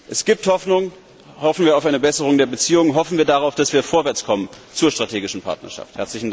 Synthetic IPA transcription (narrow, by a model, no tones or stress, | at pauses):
ʔɛsɡ̥iːp̚thɔfnʊŋ | hɔfn̩viːɐaʊfʔaɪnəbɛsəʁʊŋdeːɐbət͡siːʊŋəɦɔfn̩viːɐdaʁaʊfd̥asv̥iːɐfoːɐvɛɐt͡skʰɔmən | t͡suːɐʃtʁ̥atʰeːɡɪʃn̩pʰa̰ɐtnɐ̰ʃa̰fthɛɐt͡slɪçn̩d